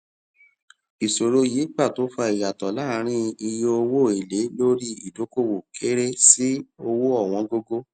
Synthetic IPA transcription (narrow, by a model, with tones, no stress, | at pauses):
i˨so˨ɾo˧ji˨˦k͡pa˦˨to˨˦fɔ˧i˨ja˨tɔ˨la˦˨˦ɾ̃ĩ˦i˧jo˧o˧wo˦˨e˨le˨˦lo˦ɾi˦i˨do˨˦ko˦˨wo˨kʰe˦ɾe˦si˦o˧wo˦ɔ˦˨w̃ɔ̃˨˧ɡo˧ɡo˦